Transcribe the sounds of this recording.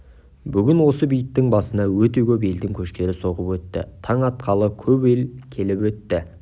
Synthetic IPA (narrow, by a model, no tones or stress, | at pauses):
bʏɡʲɪnwo̞səbijət̪ːɪŋbɑsənɑwɵt̪e̞kʲʰɵp̬e̞ld̪ɪŋkʲʰɵʃt̪e̞ɾɪso̞ʁəpwɵt̪ːɪ̰t̪ʰɑɴɑt̪̚qʰɑlˠəkʲʰɵpe̞lkʲʰe̞lɪpwɵt̪ːɪ